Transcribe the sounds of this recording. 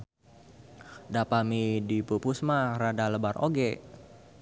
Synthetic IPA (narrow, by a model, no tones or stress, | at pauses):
dapamidipupusmaradaləbarʔoɡe